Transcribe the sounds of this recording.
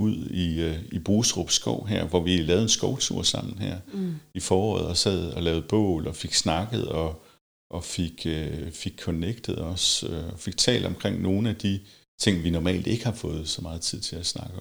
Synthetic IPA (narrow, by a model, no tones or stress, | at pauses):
uð̰ˠiib̥ʁuːsʁɔb̥sɡ̥ɒʊ̰ɦæɐ̰ʋɒʋiilɛːʊð̩ˠensɡ̥ɒʊt͡sʰṵɐ̰sɑ̈m̰n̩ɦæɐ̰ifɒːɒ̰ːð̞̩ˠɒ̽sɛðˠɒ̽lɛːʊð̩ˠb̥ɔ̰̽ːlɒ̽fe̝ɡ̥snɑ̈ɡ̥əð̩ˠɒ̽ | ʔɒ̽fe̝ɡ̥øfe̝ɡ̥̚kʰɔneɡ̥̚d̥ð̩ˠɒ̽søɒ̽fe̝ɡ̥̚t͡sʰɛ̰ːl̰dɒ̽mkʰʁeŋ̰no̝ːn̩æd̥i | t͡sʰe̝ŋ̰ʋinɒmɛ̰ːld̥e̝ɡ̥əhɑ̈fɔ̽ːð̞̩ˠsɒ̽mɑ̈ːð̩ˠt͡sʰið̞̰ˠt͡sʰe̝læsnɑ̈ɡ̥ə